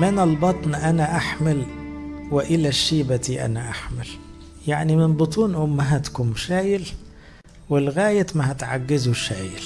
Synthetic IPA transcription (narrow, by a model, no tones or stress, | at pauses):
mɪnɑlbɑt̪ˤniʔænæʔaħmɪlwɪʔɪlæʃːiːbat̪iʔæ̰næʔaħmɪl | jaʕnimɪnbɨt̪ˤuːnʔʊmːaɦæt̪kʊmʃæːjɪl | wɪlɣæːjɪt̪mahat̪ʕa̰ɡːɪzʊʃaːjɪl